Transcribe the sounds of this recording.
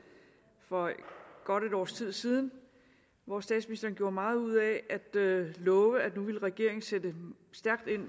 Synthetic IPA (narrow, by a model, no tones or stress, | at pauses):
fɒ̽ɡ̥ɒ̽ɾ̥e̝ɾɒ̰ːst͡sʰið̞̰ˠsiːð̞ˠn̩ | ʋɒsd̥ɛ̰ːd̥sminisd̥ɐːnɡ̥jo̝ːɐmɑ̈ːð̞̩ˠuð̞̰ˠɛʔæd̥lɔ̽ːʋəæ̥nuʋe̝lʁɛɡ̥e̝ɐ̰e̝ŋn̩sed̥ə | sd̥æɐɡ̥̚d̥e̝n̰